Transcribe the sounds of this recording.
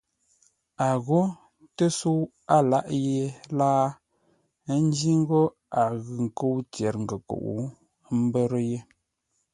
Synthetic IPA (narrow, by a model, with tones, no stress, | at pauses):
a˨ɣo˦ | tə˦su˦w | a˦la˦ʔje˨laː˦ | n˦d͡ʒi˦ŋ̩˦ɡo˦ | a˨ɣɯ˨ŋ˨ko˦wt͡sjɛ˨ɾŋ̩˨ɡə˨ko̰˨ʔṵ˨˦ | m˦bə˦ɾə˦je˦